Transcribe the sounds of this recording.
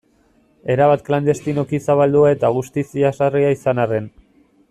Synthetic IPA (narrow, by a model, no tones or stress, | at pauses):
e̞ɾaβat̪kland̪e̞st̪ino̞kisaβald̪uae̞t̪aɣust̪isiasariaisanare̞n